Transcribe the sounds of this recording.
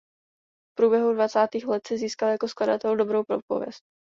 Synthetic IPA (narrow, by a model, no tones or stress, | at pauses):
fpɾuːbjɛɦudvat͡saːt̪iːxlɛt̪sɪziːskaljako̞skladat̪ɛldo̞bɾowpɾopo̞̰vjɛ̰st̚